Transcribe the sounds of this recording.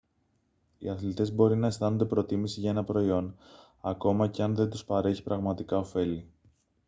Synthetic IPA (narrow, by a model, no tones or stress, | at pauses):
ḭɐθlit̪e̞zbo̞ɾinɐe̞st̪ɐno̞nd̪epɾo̞t̪imisiʝɐe̞nɐpɾo̞io̞n | ɐko̞mɐce̞ɐnðe̞nd̪uspɐɾe̞çi̥pɾɐɣmɐt̪ikɐo̞fe̞li